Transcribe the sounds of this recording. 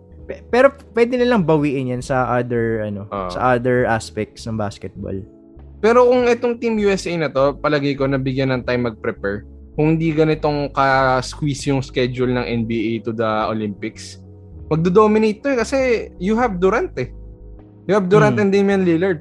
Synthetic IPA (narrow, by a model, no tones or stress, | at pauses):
pɛpɛːɾo̞pwɛd̪ɪnɐlɐŋbɐwiːʔɪnjɐnsɐʔad̪ɛɹʔɐno̞sɐ̰ʔad̪ɛɹʔaspɛk̚t̪snɐŋbaːskɛt̪̚bo̰l | pɛːɾokʊŋʔɛt̪oŋt̪imjuɛsʔejnɐt̪o̞pɐlɐɡɐjkonɐbɪɡjanɐŋt̪ajmːɐɡ̚pɾɛpɛɹ | kʊŋhɪnd̪iɡɐnɪt̪oŋkɐskwisjʊŋskɛd͡ʒʊlnɐŋʔɛnbiːʔejt̪ʊd̪ɐʔolimpɪks | mɐɡ̚d̪ɛd̪oːmɪnejt̪̚ːoɛkɐsɛjʊɦɐbd̪ʊɾant̪ɛ | jʊhab̚d̪uɾanɛnd̪ejmɐnlilɛɹd̪̚